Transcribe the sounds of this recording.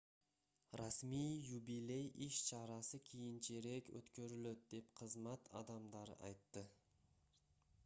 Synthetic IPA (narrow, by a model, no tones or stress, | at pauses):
rɑsmijjubilʲe̞jiʃt͡ʃʰɑɾɑsɯkʲʰijint͡ʃeɾe̞kø̰t̪kø̞ɾyløt̪̚d̪e̞pqʰəzmɑt̪ʰɑ̰d̪ɑmd̪ɑɾ̰ʔɑ̰jt̪ːɯ